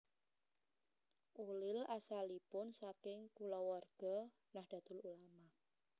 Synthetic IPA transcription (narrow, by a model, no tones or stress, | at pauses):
ʔulɪlasalipʊnsakɪŋkulɔwɔrɡ̥ɔ | nahd̥ä̤d̪̥ʊ̤lulama